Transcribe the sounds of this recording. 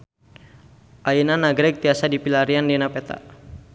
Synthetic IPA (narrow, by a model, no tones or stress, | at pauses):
ʔainanaɡɾɛk̚t̪iasadipilaɾiandɛnapɛt̪a̰